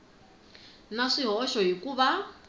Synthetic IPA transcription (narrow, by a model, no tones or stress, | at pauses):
naʂiɦɔʃɔɦikuβa